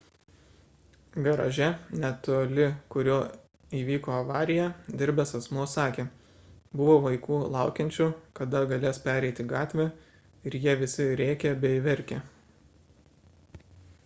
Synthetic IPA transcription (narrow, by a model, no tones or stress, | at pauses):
ɡɐɾɐ̰ʒʲɛnʲɛt̪oːlʲɪkʊɾʲuː | iːʋʲiːkoːɐʋɑːɾʲɪjɛd̪ʲɪɾʲbʲɛsɐsmuɔsɑːkʲeː | bʊʋoːʋɐɪkuːlˠɑˑʊkʲɛnʲt͡ʃʲʊkɐd̪ɐɡɐlʲeːspʲæːɾʲɛɪt̪ʲɪɡɑːt̪ʲʋʲɛ | ɪɾjiɛʋʲɪsʲɪɾʲɛːkʲɛbʲɛɪʋʲɛɾʲkʲe